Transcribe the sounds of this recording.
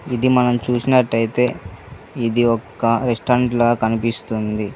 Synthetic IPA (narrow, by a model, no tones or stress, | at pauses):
id̪imɐnɐmt͡ʃuːsinɐʈːɐjit̪e̞ː | id̪iɔkːɐɾesʈɐːɾɳʈlɐːkɐnipist̪und̪i